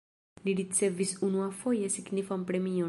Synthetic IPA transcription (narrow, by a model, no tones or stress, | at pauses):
liɾit͡sevisunuafojesiɡnifampɾemio